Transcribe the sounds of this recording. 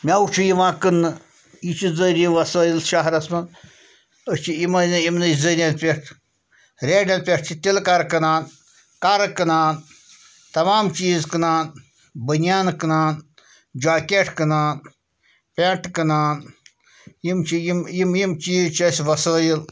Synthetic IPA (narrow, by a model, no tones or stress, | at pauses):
mʲaut͡ʃʰijiʋãːkɨnːɨ | jit͡ʃʰizəɾʲiʋɐsəːjilʃaɦɾɐsmɐn | ət͡ʃʰiimɐnɨimnɨzəɾʲjanpʲeʈʰ | ɾʲeːɖɐnpʲeʈ̚ʰt͡ʃʰit̪ilkaɾkɨnaːn | kaɾkɨnaːn | t̪ɐmaːmt͡ʃiːzkɨnaːn | bənjaːnkɨnaːn | d͡ʒaːkʲeʈʰkɨnaːn | pʲeʈkɨnaːn | jimt͡ʃʰijimjimjimt͡ʃiːzt͡ʃʰiɐsʲʋɐsəːjil